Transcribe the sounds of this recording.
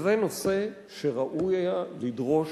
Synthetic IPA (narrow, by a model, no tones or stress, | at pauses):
veno̞se̞ | ʃeʁaʔujajalidʁo̞ʃ